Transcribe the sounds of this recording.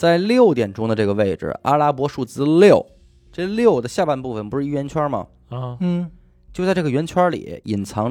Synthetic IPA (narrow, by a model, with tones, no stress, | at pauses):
t͡sa˥˧ɪljo˥˩ʊt̪jɛ˨˩nʈ͡ʂʊ˥ŋd̪ə˧ʈ͡ʂɤ˥˩ɡə˩ʋe˥˩ɪʈ͡ʂɻ̩̰˩a̰˥la˥pwɔ˧˥ʂu˥˩t͡sɹ̩˥ljo˥˩ʊ | ʈ͡ʂɤ˥˧ljo˥˩ʊd̪ə˩ɕja˥˧pa˥˧npu˥˩fə˩npu˧˥ʂɻ̩˥˧˥i˥˩ɥɛ˧˥nt͡ɕʰɥwa˥mɐ̰˨˧˥ | t͡ɕjo˥˧ʊt͡sa˥˧ɪʈ͡ʂɤ˥˩ə˩ɥɛ˧˥nt͡ɕʰwɐ˥lḭ˨˩˦i˨˩nt͡sʰɑ˧˥ŋ